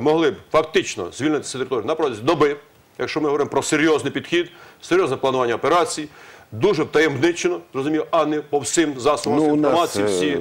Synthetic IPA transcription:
mɔɦlˠɪbfɐkt̪ɪt͡ʃnɔ̰z̥ʲʋʲilnɪt̪ɪ̥sʲɐt̪eɾɪt̪ɔɾʲjunɐpɾɔt̪ʲzʲid̪ɔbɪ | jɐkʃt͡ʃɔmɪɦɔʋɔɾɪmpɾɔseɾʲjɔznɪjpʲid̪xʲid̪seɾʲjɔznɛplˠɐnʊʋɑnʲːɐɔpeɾɑt͡sʲijid̪uʒɛwt̪ɐjemnɪt͡ʃenɔzɾɔzʊmʲijʔɑnɛpɔwsʲɪmzɑsɔbmiɔmɑt͡sʲːiwsʲiji

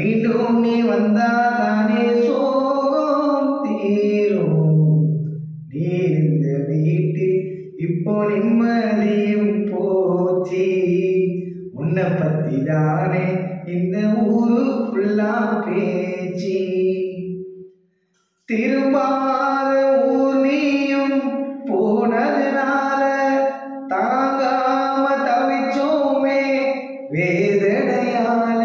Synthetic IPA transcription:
ʋiːɳɖomeːʋɐnd̪aːt̪aːneːsoːkɔɐmt̪iːɾo | niːɾɯnd̪ɐʋiːʈːɯ | ɪpːoːnɪnmɐlijɯmpoːt͡ʃːi | ʊnːɐpːɐt̪ːḭt̪aːneːɪnd̪ɐuːɾɯpɪɭːaːnpet͡ʃːi | t̪ɪɾɯmbaːðɐuːlɪjɯmpoːɳɐðɪnaːlɐ | t̪ɐɾŋɡɐɭamɐt̪ɐʋɪt͡ʃːoːmeː | ʋeːðɛɽɐjaːl

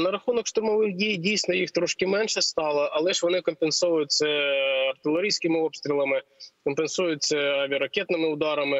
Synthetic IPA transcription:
nɐɾɐxunɔkʂt̪ʊɾmɔʋɪxdʲijdʲijsʲnɔjixt̪ɾɔʃkɪmɛnʃɛst̪ɑlˠɐʔɐlˠɛʃʋɔnɪkɔmpensɔʋʊjʊt͡sʲːɐɐrt̪ɪlˠeɾʲijsʲkɪmɪɔpst̪ʲɾʲilˠɐmɪkɔmpensujʊt͡sʲːɐɑʋʲiɐɾɐkʲɛt̪nɪmɪʊd̪ɑɾɐmɪ

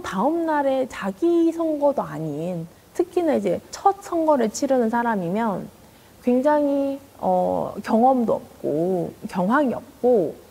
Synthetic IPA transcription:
taɯmnaɾe̞t͡ɕaɡisʰʌŋɡʌdoaɲin | tʰɯkʰinɯnid͡ʑe̞t͡ɕʰʌt̚sʰʌŋɡʌɾɯɭt͡ɕʰiɾɯnɯnsʰaɾamimjʌn | kwe̞ŋd͡ʑaŋi | ʌ̰kjʌŋʌmdoʌp̚k͈okjʌŋɦwaŋiʌp̚k͈o

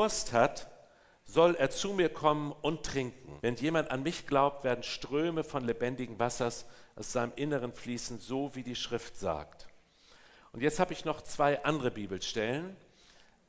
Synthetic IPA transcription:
ʊɐsthat | z̥ɔleːɐt͡sumiːɐkʰɔmənʊnttʁ̥ɪŋkŋ̩vɛnjeːmantanmɪçɡ̥laʊp̚tv̥eːɐdn̩ʃtʁ̥øːməfɔnlebɛndɪɡŋ̩vasɐsʔaʊsz̥aɪnəmʔɪnəʁənfliːsn̩zoːviːdiːʃʁ̥ɪftz̥a̰ːkt | ʔʊntjɛt͡sthaːbəɪçnɔχt͡sv̥aɪʔandəʁəbiːbl̩ʃtɛlən

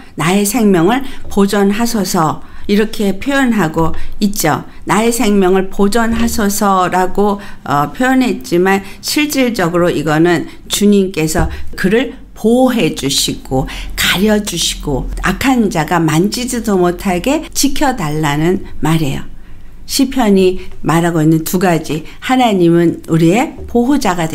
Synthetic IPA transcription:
nae̞sʰe̞ŋmjʌŋɯɭpod͡ʑʌnɦasʰʌsʰʌiɾʌkʰe̞pʰjojʌnɦaɡoit̚t͡ɕ͈o̰ | nae̞sʰe̞ŋmjʌŋɯɭpod͡ʑʌnɦasʰʌsʰʌɾaɡoʌpʰjojʌnɦe̞t̚t͡ɕ͈iman | ɕʰiɭt͡ɕ͈iɭd͡ʑʌɡɯɾoiɡʌnɯn | t͡ɕuɲimk͈e̞sʰʌkɯɾɯɭ | poɦe̞d͡ʑuɕʰiɡ̥okaɾjʌd͡ʑuɕʰi̥ɡ̥oa̰kʰand͡ʑaɡamand͡ʑid͡ʑidomotʰaɡe̞t͡ɕikʰjʌdaɭːanɯnmaɾe̞̰jo̰ | ɕʰipʰjʌɲimaɾaɡoinːɯntuɡad͡ʑi | hanaɲimɯnuɾie̞poɦod͡ʑaɡade

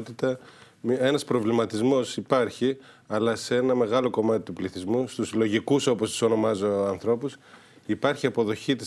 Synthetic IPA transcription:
t̪it̪ɐ | e̞nɐspɾo̞vlimɐt̪izmo̞sipɐɾçi | ɐlɐsee̞nɐme̞ɣɐlo̞ko̞mɐt̪it̪upliθizmust̪uzlo̞ʝikuso̞po̞st̪u̥so̞no̞mɐzo̞ɐnθɾo̞pus | ipɐɾçiɐpo̞ðo̞çit̪is

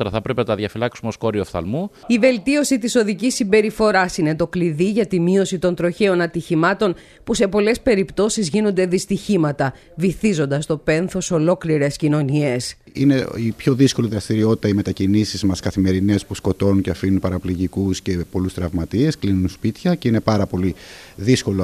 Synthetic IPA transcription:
ɾɐθɐpɾepenɐt̪ɐðʝɐfilɐksumeosko̞ɾiofθɐ̰lmu | ive̞lt̪io̞sit̪iso̞ðicisːimbe̞ɾifo̞ɾɐsine̞t̪o̞kliðiʝɐt̪imio̞sit̪o̞nt̪ɾo̞çe̞o̞nɐt̪içimɐt̪o̞n | puse̞po̞le̞spe̞ɾipt̪o̞sizʝinond̪e̞ðist̪içimɐt̪ɐ | viθizo̞nd̪ɐst̪o̞pe̞nθo̞so̞lo̞kliɾe̞scino̞nie̞s | ine̞ipço̞ðisko̞liðɾɐst̪iɾio̞t̪i̥t̪ɐime̞t̪ɐcinisizmɐskɐθime̞ɾine̞spusko̞t̪o̞nunceɐfinunpɐɾɐpliʝikusce̞po̞lust̪ɾɐvmɐt̪ie̞sklinunspit̪çɐce̞ine̞pɐɾɐpo̞liðisko̞lo

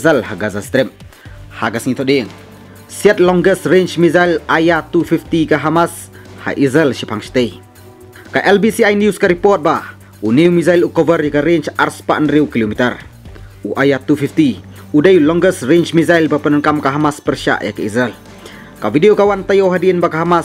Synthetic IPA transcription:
zəlhaɡazast̪ɾip̚haɡasŋit̪ʰɔʔdiŋ | siat̪̚lɔŋɡəsɾent͡ʃmizajlajat̪ufift̪ikaɦamas | ha̰ʔizəlʃipʰaŋsi̥t̪ej | kaʔɛlbisiajnjuskaɾipɔt̪̚ba | uniwmizajlukɔvəɾjəkaɾent͡ʃarspaʔənɾiwkilomit̪əruʔajat̪ufift̪i | udəjlɔŋɡəsɾent͡ʃmizajlbapənənkamkaɦamaspərʃa̰ʔja̰kaizəl | kavidiokawant̪ajowɦadiənbakaɦama

